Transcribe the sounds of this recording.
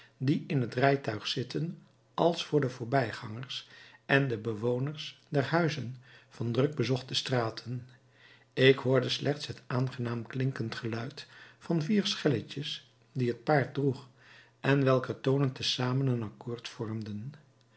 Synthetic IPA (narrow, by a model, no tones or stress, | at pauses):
diɪnɦətrɛjtœɥχsɪtən | ʔɑlˠsfʊːɹdəvʊːɹbɛjχɑŋəɹsʔɛndəbəʋownəɹsdɛrɦœɥzənv̥ɑndrɵɡ̚bəzɔχtəstraːtʰən | ɪkɦʊːɹdəslʔɛχtsɦətaːnχənaːmklɪŋkəntχəlœɥtfɑnviːɹsχɛləcəs | diɦət̚paːɹt̚druχ | ʔɛnʋɛlˠkətownəntəsaːmənənɑkʊːɹtfɔɹmdən